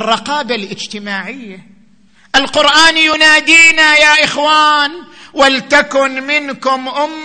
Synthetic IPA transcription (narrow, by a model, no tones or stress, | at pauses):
rˤːɑqɑːbalʔɪd͡ʒt̪ɪmaːʕɪjːa | ʔɪlqʊɾʔaːnjʊnaːd̪iːnajaːʔɪxwaːnwalt̪akʊnmɪnkʊmʔʊmː